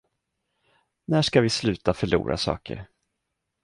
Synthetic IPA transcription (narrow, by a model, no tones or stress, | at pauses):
næʂkavɪslʉ̟ːt̪afœɭṵːɾʔa̰sɑ̰ːkə̰ɾ